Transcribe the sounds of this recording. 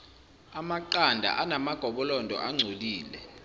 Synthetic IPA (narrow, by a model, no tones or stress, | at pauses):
amaǃandʱa̰ʔanamaɡ̥ʱɔɓɔlɔndʱɔ̰ʔaŋ͡ǀʱoliːlɛ